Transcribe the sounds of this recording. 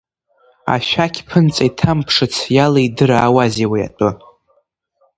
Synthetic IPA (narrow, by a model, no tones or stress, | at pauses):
a̰ʃʷᶣakʲʰʼpʰɨnt͡sʼaitʰampʰʂɨt͡sʰjalaidɨɾaːwaziwaja̰tʼɨ